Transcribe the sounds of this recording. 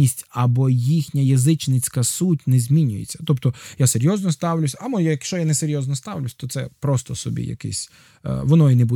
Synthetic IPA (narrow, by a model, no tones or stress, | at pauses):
isʲtʲɐbɔjixnʲɐjɐzɪt͡ʃnet͡sʲkɐsutʲnɛzʲmʲinʲʊjḛt͡sʲːɐ̥t̪ɔpt̪ɔjaseɾʲjɔznɔst̪ɑwlʲʊsʲɐmɔjajɐkʃt͡ʃɔjanɛseɾʲjɔznɔst̪ɑwlʲʊsʲt̪ɔt̪sɛ̰pɾɔst̪ɔsɔbʲḭjɐ̰kɛ̰sʲ | ʋɔnɔinebu